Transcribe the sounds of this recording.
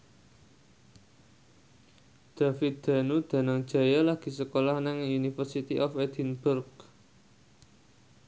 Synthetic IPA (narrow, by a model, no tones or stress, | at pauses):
d̪̥a̤fid̪̥a̤nud̪̥a̤naŋd̥ʒ̥a̤jalahɡ̥i̤səkolahnaŋunifərsit̪iʔɔfɛd̪̥inbʊrk